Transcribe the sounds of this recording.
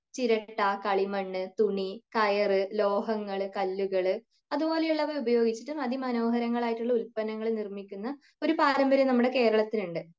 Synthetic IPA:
t͡ɕiɾɐʈːɐkɐɭimɐɳːɨt̪uɳikɐjɐrɨlo̞ːɦɐŋːɐɭkɐlːuɣɐɭɨ | ɐðubo̞ːlejuɭːɐʋɐɾubɐjo̞ːɡit͡ɕːi̥ʈːumɐðimɐno̞ːɦɐɾɐŋːɐɭaːjiʈːuɭːɐulpɐnɐŋːɐɭnirmikʲːunːɐ | o̞ɾupaːɾɐmbɐɾjɐmnɐmːuɽe̞ke̞ːɾɐɭɐt̪ːiluɳɖɨ

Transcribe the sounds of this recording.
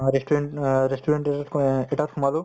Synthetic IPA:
ɾesʈuɾeɳʈɾesʈuɾeɳʈeeʈaɾ̚kʰumalu

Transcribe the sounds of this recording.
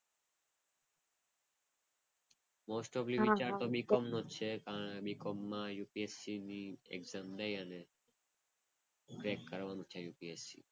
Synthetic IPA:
mosʈɔblibit͡ʃaɾt̪obikɔmnot͡ʃʰekaɾəɽebikɔmːajupiesiniḛɡzamd̪ejane | ɡɾekːəɾʋanut͡ʃʰejupiesḭ

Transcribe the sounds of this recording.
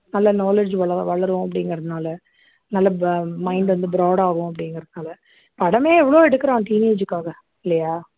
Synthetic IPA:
nɐlːɐnoːled͡ʒʋɐɭɐʋɐɭɐɾɯʋõɐp̬ːɐɽɪŋɡɾɐðɯnaːlɐ | nɐlːɐmɐɪɳɖʋɐnd̪ɯbɪɾaːɽaːɣʊ̃ɐp̬ːɐɽɪŋɡɾɐðnaːlɐ | pɐɽɐmeːɛʋːɐɭoːɛɽɯkːɐɾãːʈiːneːd͡ʒɯkːaːɣɐ | ɪlːɐjaː

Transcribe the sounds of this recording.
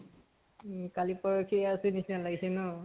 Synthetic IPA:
kalipɔɹokʰiasenisinalaɡisɛnɔ

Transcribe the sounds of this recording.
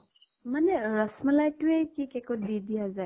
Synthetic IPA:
manɛɹɔsmɔlajtʊejkikɛkodidijazaj

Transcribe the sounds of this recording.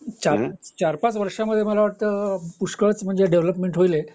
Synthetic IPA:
t͡ɕaɾt͡ɕaɾpat͡sʋəɾʂaməd̪ʱjeməlaʋaʈ̚t̪əpuʂkəɭt͡sm̤əɳd͡zeɖeʋləpmeɳʈɦoile

